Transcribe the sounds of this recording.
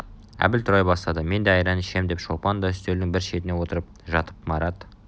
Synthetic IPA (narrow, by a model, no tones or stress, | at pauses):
æ̰bɪlt̪ʰʊɾɑjbɑst̪ɑd̪əme̞nd̪eɑjɾɑnɪʃe̞md̪e̞pʃolˠpɑnd̪ɑʏst̪eld̪ɪŋbɪɾʃe̞t̪ɪne̞wo̞t̪əɾəp̚ʒɑt̪əp̚mɑɾɑd̪